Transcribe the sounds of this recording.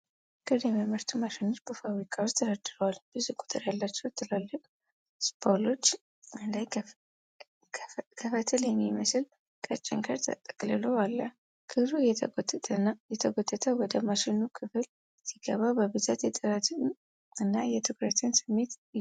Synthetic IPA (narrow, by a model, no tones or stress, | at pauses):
kɨd̪ɛməməɾt̪ʰumaʃɪnːot͡ʃbəfawɾikʼawost̪ʰəɾəd̪ɨɾəwalb̥ɨzukʼu̥t̪ʼɨɾjalːat͡ʃːɛwt̪ʰːɨlalːɨkʼ | spʰolo̞t͡ʃː | ɨnd̪aj | kʰəfət̪ʰɨljɛmːiməsɨl | kʼət͡ʃʼːɪ̰ŋkʰəɾt̪ʰət̪ʼə̥kʼlɨloalːə | kʰɨflujɛ | jɛt̪ʰəɡod̪ːət̪ʰəwɔd̪əmaʃɪnːukʰɨfl | siɡəβabəbɨzat̪jɛt̪ʼɨɾat̪ʰ | ɨnːajɛt̪ʰɨkɾət̪ʰɨnsɨmːe̞t̪